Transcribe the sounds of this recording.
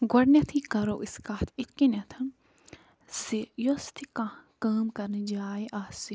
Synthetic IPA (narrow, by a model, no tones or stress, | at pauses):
ɡɐɽnʲɐt̪ʰikɐɾoʔiskaːt̪ʰɪt̪kinɐt̪ʰɐm | sijost̪ʰikãkaːmkɐɾnid͡ʒaːiʔaːsi